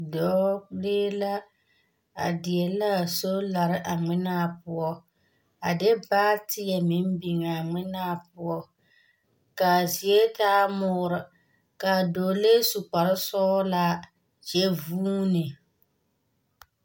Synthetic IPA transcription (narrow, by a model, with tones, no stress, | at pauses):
dɔ˨˦beː˦la˦ | a̰˨dɪ˨ɛ˨la˦˨so˦la˨ɾɪ˦ʔa˨ŋ͡mɪ˦naː˦˨pʊ˦ɔ˦ | a˨dɪ˦baː˦tɪ˦jɛ˨mɪ˦m˦bi˨ŋ˨a˨ŋɪ˦naː˦˨pʊ˦ɔ˦ | ka˨zi˨ɛ˦taː˦mʊː˦ɾɨ˨ | ka˨doː˨le˦su˨k͡pa˨ɾɪ˦sɔ˦la˦ | d͡ʒɛ˦vuː˦nɨ˨